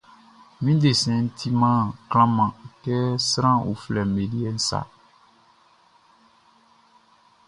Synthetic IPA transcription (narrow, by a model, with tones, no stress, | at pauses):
mĩ˦de˨sɛ̃˨˦n̩˦tʰi˦mã˦klã˦mã˨kɛ˦sɾã˦o̰˨flɛ˨me˨di˦ɛ˦˨n̩˦sa̰˨